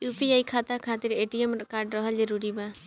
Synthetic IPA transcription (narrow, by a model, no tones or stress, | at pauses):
upiajkʰat̪akʰat̪iɾeʈiemɾɔkaɾɖɾɔɦɔd͡ʒɔɾuɾiba